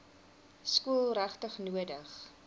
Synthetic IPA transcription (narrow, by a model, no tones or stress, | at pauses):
skuəlˠræχtəχnuədəχ